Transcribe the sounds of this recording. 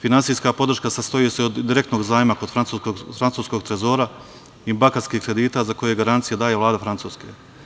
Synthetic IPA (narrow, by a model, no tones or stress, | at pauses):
finansijskapo̞d̪r̩ʃkasast̪ojeseod̪ːiɾe̞kt̪no̞ːɡzaːjmakod̪fɾant̪ukoɡfɾant̪suːsko̞ɡt̪ɾezo̞ːɾa | ibakaskiːhkɾe̞d̪iːt̪aːzako̞jeɡaɾant̪sijed̪aːje̞ʋlˠaːd̪afɾant̪uːske